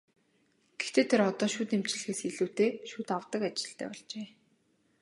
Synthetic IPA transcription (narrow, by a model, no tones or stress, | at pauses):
ɡ̥ext̪ʰeːt̪ʰeɾɔt̪ɔːʃuːt̪em̥t͡ɕ̆ɮɘ̆xeːsxeɮuːt̪eːʃuːt̪awt̪ə̆kat͡ɕɪ̥̆ɬt̪ʰæ̰ːpɔɮt͡ɕeː